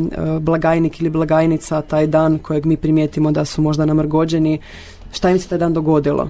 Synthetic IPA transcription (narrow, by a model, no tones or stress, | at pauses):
blˠaɡaːjnikiliblˠaɡaːjnit̪sat̪aːjd̪aːnkʰo̞jeɡmiːpɾimjet̪imo̞d̪asumo̞ʒd̪anamɾ̩ɡo̞d͡ʑeni | ʃt̪aimset̪aːjd̪aːnd̪oɡo̞d̪ilˠo̰